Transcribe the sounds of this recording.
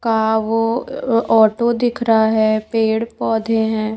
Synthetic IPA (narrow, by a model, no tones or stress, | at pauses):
kaʋo | ɔːʈod̪ɪkʰɾaɦɛːpeːɽpɔːd̪ʱeɦɛ̃ː